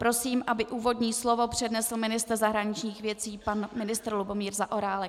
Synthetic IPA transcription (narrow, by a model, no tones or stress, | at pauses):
pɾo̞siːmʔabɪʔuːvo̞dɲiːslo̞vo̞pr̝̥ɛdnɛsl̩mɪnɪst̪r̩zaɦɾaɲɪt͡ʃɲiːxvjɛt͡siːpanmɪnɪst̪ɾlubo̞miːɾzaʔo̞ɾaːlɛk